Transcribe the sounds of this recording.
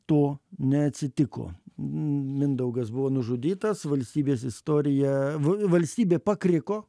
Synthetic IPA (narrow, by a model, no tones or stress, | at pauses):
t̪oːnʲɛɐt̪ʲsʲɪt̪ʲɪko̰ː | mʲɪnd̪ɐʊɡɐsbʊʋoːnʊʒʊːd̪ʲiːt̪ɐsʋɐlʲsʲt̪ʲiːbʲeːsɪst̪oːɾʲɪjɛʋʋɐlʲsʲt̪ʲiːbʲeːpɐkɾʲɪkoː